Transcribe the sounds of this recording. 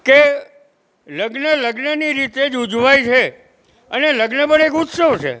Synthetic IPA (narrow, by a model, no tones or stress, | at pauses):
ke | ləɡnələɡnəniɾit̪ed͡ʒud͡ʒʋajt͡ʃʰe | əneləɡnəpəɳekut̪səʋt͡ʃʰḛ